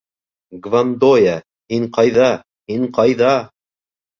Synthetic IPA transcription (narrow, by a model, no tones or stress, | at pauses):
ɡvand̪oja | hiɴqɑjðɑ | hiɴqɑjðɑ